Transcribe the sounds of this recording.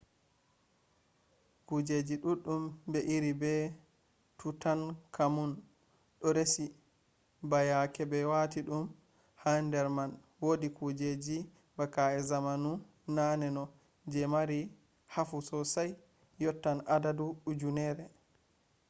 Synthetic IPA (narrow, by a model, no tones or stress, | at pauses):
kud͡ʒed͡ʒiɗuɗumbɛʔiɾibɛ | tʰutankʰamun | ɗɔɾesi | bajakɛbɛwatiɗum | handɛɾman | wodikud͡ʒed͡ʒi | bakaɛzamanu | nanɛnɔ | d͡ʒɛmaɾi | hafusɔsajː | ɔtːanʔadaduɗud͡ʒunɛɾɛ